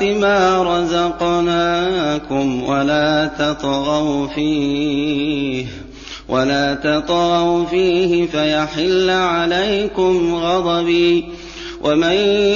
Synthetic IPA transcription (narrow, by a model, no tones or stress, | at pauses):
ɪmaːɾˤɑzɑqnaːkʊmwalaːt̪ɑt̪ˤɣɑwfiː | h | wʔalaːt̪ɑt̪ˤɣɑwfiːhɪfajaħɪlːʕalajkʊmɣɑd̪ˤɑbiː | wʔaman